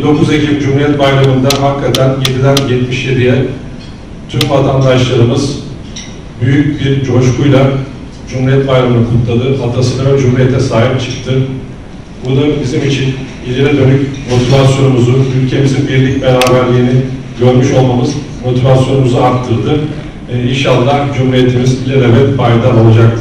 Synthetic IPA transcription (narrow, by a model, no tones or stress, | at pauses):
bind̪o̞kuze̞cʰimd͡ʒumhuɾijɛt̪̚bajɾamɯnd̪aɦakʰːat̪ʰænje̞d̪id̪ænjɛt̪miʃje̞d̪ijɛ | t̪ʰymvat̪ʰand̪aʃlˠaɾɯmɯz | byjycbiɾd͡ʒo̞ʃkʰujlˠa | d͡ʒumuɾijɛt̪̚bajɾamɯnɯkʰut̪lˠad̪ɯɦat̪ʰasɯnavɛd͡ʒumuɾijɛt̪ʰɛsaːɦip̚t͡ʃʰɯ̥k̚t̪ʰɯ | bunubizimit͡ʃʰin | ilʲeɾɛd̪ø̞nycmo̞t̪ʰivasjo̞numuzuylʲcʰe̞mizinbiɾlʲic̚be̞ɾaːbæɾlʲeni | ɟø̞ɾmyʃo̞lˠmamɯz | mo̞t̪ʰivasjo̞numuzuaɾt̪ʰːɯɾd̪ɯ | inʃalˠːahd͡ʒumɾije̞t̪ʰimizbilʲɛɾevɛt̪bajd̪alˠo̞lˠad͡ʒak̚t̪ʰɯ